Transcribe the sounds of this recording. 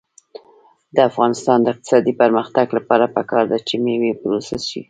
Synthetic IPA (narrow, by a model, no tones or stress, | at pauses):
d̪əafɣɑnɪst̪ɑnd̪əɪq̚t̪ɪ̥sɑd̪ipəɾməxt̪aɡlapɑɾapəkɑɾd̪at͡ʃemewepɾosasʃḭ